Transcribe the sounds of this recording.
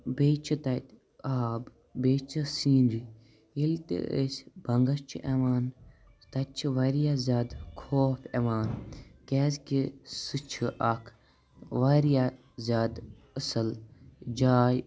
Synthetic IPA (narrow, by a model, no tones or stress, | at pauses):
beːt͡ʃʰɨt̪ɐt̪ | aːb | beːt͡ʃʰɨsiːnɾi | ilt̪ḛʔə̰sʲbɐŋɡɐst͡ʃʰiʔeʋaːn | t̪ɐt͡ʃʰiʋɐɾijaːzʲaːd̪kʰoːfʰeʋaːnkeːzkisɨt͡ʃʰɨʔakʰ | ʋaɾja | zʲaːd̪ | əsɐld͡ʒaːj